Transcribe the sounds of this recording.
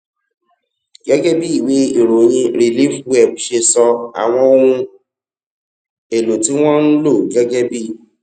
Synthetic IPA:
ɡɛ˦ɡɛ˦bi˦i˦˨we˨˦i˨ɾo˨j̃ĩ˧ɾi˨li˦fwɛ˦˨b̚ʃe˧sɔ˧a̰˨w̃ɔ̃˧o˧ɾũ˧ | e˨lo˨ti˦w̃ɔ̃˦ñ̩˦lo˦˨ɡɛ˦ɡɛ˦bi˦

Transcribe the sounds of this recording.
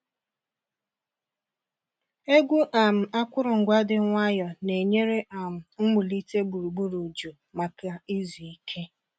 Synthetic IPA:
e˦ɡʷu˦ʔa˨m̩˨a˦kʷʊ˦ɾʊ˨ŋ̩˨ɡʷa˦dɪ˨ŋʷa˦jɔ˨ne˨ɲe˦ɾe˦ʔa˨m̩˨ŋ̩˦mu˨li˦te˦ɡ͡bu˨ɾu˨ɡ͡bu˦ɾu˨d͡ʒu˨ | ma˨ka˨i˦zi˨i˦kʰe˦

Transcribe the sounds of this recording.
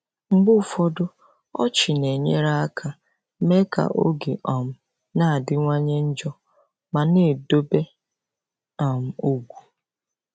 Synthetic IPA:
ŋ͡m̩˦ɡ͡bʊ˦˨fɔ˦dʊ˦ | ɔ̰˦t͡ʃɪ˨ne˨ɲe˦ɾa˦a˦kʰa˦ | me˦ka̰˨ʔo̰˦ɡe˨ʔɔ˨m̩˨ | na˦˨dɪ˦ŋʷa˦ɲe˦n̩˦d͡ʒɔ˦ | ma˨ne˨do˦be˦ | ɔ˨m̩˦o˦ɡʷu˨

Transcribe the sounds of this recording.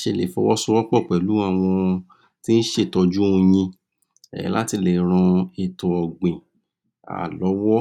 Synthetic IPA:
ʃe˨lḛ˨fɔ˧wɔ˦su˦wɔ˦k͡pɔ˦˨k͡pɛ˨lũ˨˦a˦˨w̃ɔ̃˧ | ti˦n̩˦ʃe˦˨tɔ˧d͡ʒu˦ũ˧j̃ĩ˧ | ɛ̰˨˦la̰˦ti˧le˨˦ɾ̃ã˧e˧˨tɔ̃˨ɔ˨ɡ͡bẽ˨ | a̰˨lɔ˨˦wɔ˦

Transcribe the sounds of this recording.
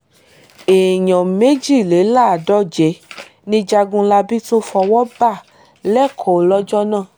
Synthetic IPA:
e˨ɲɔ̃˨me˨˦d͡ʒi˦˨le˨˦la˦˨dɔ˦d͡ʒɛ˨˦ | nĩ˧d͡ʒa˧ɡũ˧la˧bi˦to˦fɔ˧wɔ˦ba˦˨ | lɛ˦˨kʰɔ˨o˨lɔ˦d͡ʒɔ˦nãː˦˨

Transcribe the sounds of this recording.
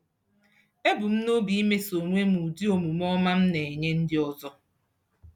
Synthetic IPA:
e˦bʊ˨m̩˦no˦bi˨˦i˦me˦so˨nʷ˦e˦mu˨di˦o˨mu˨m̩˦ɔ˦ma˦m̩˦ne˨e˨ɲe˦n̩˦dɪ˦ɔ˦zɔ˦

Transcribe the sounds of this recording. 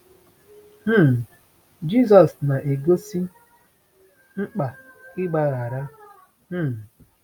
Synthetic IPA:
m̩˦˨ | d͡ʒi˦˨s̬ɔ˨sna˨ʔe˨ɡo˦si˦ | ŋ͡m̩˦k͡pa˨kɪ˦ɡ͡ba˦ɣa˨ɾa˦ | m̩˦˨

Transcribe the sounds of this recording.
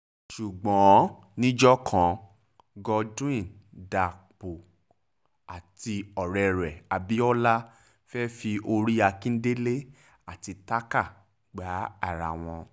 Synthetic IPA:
ʃu˨ɡ͡bɔ̃˨˦ | nĩ˦d͡ʒɔ˦kʰã˨˦ | ɡɔ˧dũ˦ĩ˦˨nda˨k͡po˨ | a˨ti˧ɔ˨ɾɛ˧ɾɛ˨a˨bi˨˦ɔ˦la˦ | fɛ˦fi˧o˧ɾi˦a˧kĩ˦n̩˦de˦le˦ | a˦˨ti˧ta˦ka˦˨ | ɡ͡ba˨˦a̰˦˨ɾa˨w̃ɔ̃˧

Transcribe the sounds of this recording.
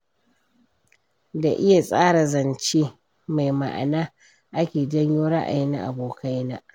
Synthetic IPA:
da˨ʔɪ˦ja˨sʼaː˦ɽa˨zɐ˨nt͡ʃeː˦ | ma˨jma̰˨ʔa̰˨naː˦ | ʔa˦kʲeː˨d͡ʒɐ˦ɲjoː˦ɽa˦ʔa̰˨ji˦nːa̰˨ʔa̰˨boː˨kʰa˦jnaː˦ʔ

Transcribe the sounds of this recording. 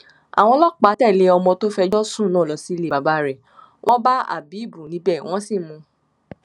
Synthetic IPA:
a̰˨w̃ɔ̃˧˦lɔ˦k͡pa˨˦tɛ˦˨le˨˧˦ɔ˧mɔ̃˧to˦fɛ˧d͡ʒɔ˦sũ˦˨nɔ̃ː˨˦˨lɔ˨si˨˦˧le˨ba˨˦ba˦ɾɛ˨ | wʔɔ̃˦ba˦a̰˦˨bi˨˦˨bu˨nĩ˦bɛ˦˨w̃ɔ̃˦si˦˨mũ˧

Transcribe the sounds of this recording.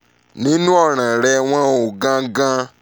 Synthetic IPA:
nĩ˦nũ˦ɔ˦˨ɾ̃ã˨ɾɛ˧w̃ɔ̃˦o˨ɡã˦ɡã˦

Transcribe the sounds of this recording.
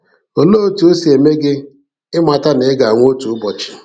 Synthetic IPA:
o˨loː˦tu˨o˦si˨e˨me˦ɡɪ˦ | ɪ˦ma˨ta˦ne˨˦ɪ˦ɡa˨ŋʷo˦tu˨ʊ˦bɔ˨t͡ʃɪ̥˨

